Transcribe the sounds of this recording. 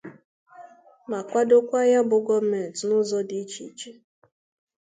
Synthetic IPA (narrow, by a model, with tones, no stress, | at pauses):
ma˨kʷa˦dʊ˦kʷa˦ja˦bʊ˨ɡɔ˦b̩˦me˨n˨tnʊ˦zɔ˦di˨˦t͡ʃḭ˨t͡ʃe˦